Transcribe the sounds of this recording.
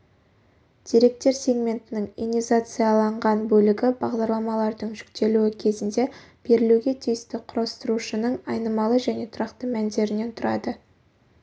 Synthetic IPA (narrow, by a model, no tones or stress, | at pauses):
d̪̥ijɾe̞k̚t̪e̞ɾsʲe̞ɡmʲe̞nt̪ɪnɪŋḭnizat̪sɨjɑlˠɑɴʁɑnbɵlɪɡʲɪbɑʁd̪ɑɾlˠɑmɑlˠɑɾd̪əɴʒʏkt̪e̞luɪkʲʰe̞zɪnd̪e̞ | b̥e̞ɾɪluɡʲe̞t̪ʰijɪst̪ɪqʰʊɾɑst̪əɾuʃənəɴɑjnəmɑlˠəʒæne̞t̪ʰʊɾɑqt̪əmænd̪e̞ɾɪne̞nt̪ʰʊɾɑd̪ə